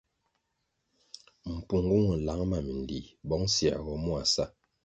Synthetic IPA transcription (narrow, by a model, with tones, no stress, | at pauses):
m̩˨pu˨ŋɡu˦ŋu˨n̩˨la˨˦ŋma˦˨mi˨ndḭ˨bɔ˦ŋ˦sja̰˨ɡɔ˨mu˦a˨sa˦